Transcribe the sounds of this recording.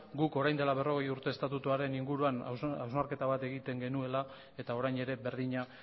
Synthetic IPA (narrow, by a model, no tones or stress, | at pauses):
ɡuko̞ɾajnd̪e̞laβe̞ro̞ɣ̞e̞juɾt̪e̞ːst̪at̪ut̪uaɾe̞niŋɡuɾuana̰wzmaɾke̞t̪aβat̪e̞ɣ̞it̪e̞ŋɡe̞nue̞la | e̞t̪ao̞ɾajne̞ɾe̞be̞ɾðiɲa